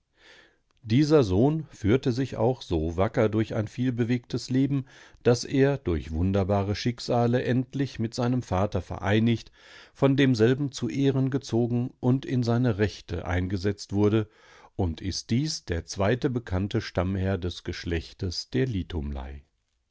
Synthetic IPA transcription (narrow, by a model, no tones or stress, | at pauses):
d̥iːzɐzoːnfyːɐtəzɪça̰ʊxz̥oːvakɐdʊɐça̰ɪnfiːlbəveːk̚tʰəsleːbm̩d̥asʔeːɐdʊɐçv̥ʊndɐbaːʁəʃɪkz̥aːləʔɛntlɪçmɪtz̥aɪnəmfaːtɐfɛ̰ɐʔa̰ɪnɪçt | fɔndeːmzɛlbm̩t͡suʔeːʁənɡət͡soːɡŋ̩ʔʊntɪnzaɪnəʁɛçtʰə̰ʔã̰ɪnɡəzɛt͡stv̥ʊɐɾə | ʔʊntʰɪst̚d̥iːsd̥eːɐt͡sv̥aɪtəbəkʰantəʃtamhɛɐdɛsɡ̥əʃlɛçtəsd̥eːɐlitʰʊmla̰ɪ